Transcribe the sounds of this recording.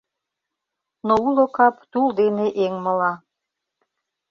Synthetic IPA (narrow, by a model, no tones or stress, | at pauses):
noulokɑpt̪ulˠd̪eneʔeŋmɤ̆lɑ